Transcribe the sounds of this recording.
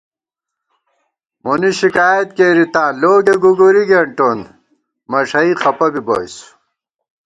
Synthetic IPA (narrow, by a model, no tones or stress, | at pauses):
moniɕikaːjɐt̪keːɾit̪ãːloːɡeɡuɡuɾiɡeɳʈon | mɐʂɐixɐpɐbibojsu̥